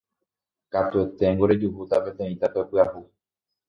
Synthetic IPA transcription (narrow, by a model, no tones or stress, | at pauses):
kat̪uet̪e̞ŋɡo̞ɾe̞d͡ʒuhut̪ape̞t̪ẽ̞ĩt̪ape̞pɨahu